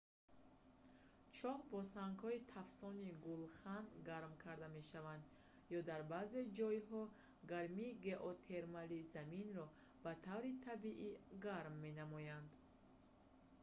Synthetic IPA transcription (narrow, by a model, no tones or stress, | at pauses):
t͡ʃʰɔhbɔsaŋɡhɔit̪ʰafsɔniɡulχanɡaɾmkʰaɾd̪ame̞ʃavand̪ | jɔd̪aɾbaze̞d͡ʒɔjɦɔ | ɡaɾmiːɡe̞ʔot̪ʰe̞ɾmalizaminɾɔ | b̥at̪ʰavɾit̪ʰabiʔiɡaɾmːe̞namɔjand̪